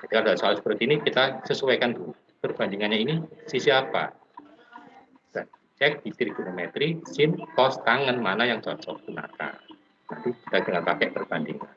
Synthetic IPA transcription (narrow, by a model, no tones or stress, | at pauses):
d͡ʒadikalodasɔalsə̥pərt̪iːnikit̪asəsuwɛkant̪u | pərb̥and͡ʒiŋanɲainisisiapa̰ | d̥a | t͡ʃɛk̚d̥it̪ɾiɡ̥unomɛt̪ɾisɪnkɔst̪aŋənmanajaŋsɔlsɔkuna̰ka̰ | nanpikit̪ad̥əŋanpakɛʔpərb̥andḭŋa̰n